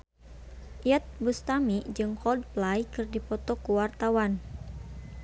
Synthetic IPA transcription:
ʔiat̪̚bust̪amid͡ʒɨŋkɔld̚plajkɨrdipɔt̪ɔkuwart̪awan

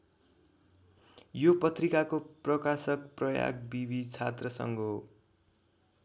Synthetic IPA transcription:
jopʌt̪rikakoprʌkasʌk̚prʌja̰ɡ̚bibit͡sʰat̪rʌsʌ̰ŋɡo

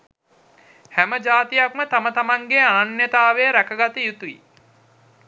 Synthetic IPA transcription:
hæməd͡ʒaːt̪ijak̚mət̪amət̪amaŋɡeaːnːet̪aːʋejəɾækəɡat̪əjut̪uḭ

